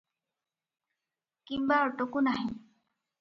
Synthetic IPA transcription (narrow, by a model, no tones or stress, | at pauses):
kimbaʈokunaɦĩ